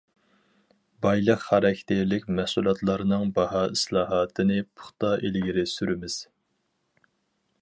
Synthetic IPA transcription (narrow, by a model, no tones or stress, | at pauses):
bɑjlˠəqhɑɾɛkʲʰt̪ʰɪɾlɪkʲmæhsulˠɑt̪lˠɑɾɨnɨŋbɑɦɑːislˠɑːɦɑːt̪ʰɨnɨpʰʊ̥χt̪ɑʔelɪɡʲiɾɪsyɾɪmɪz̥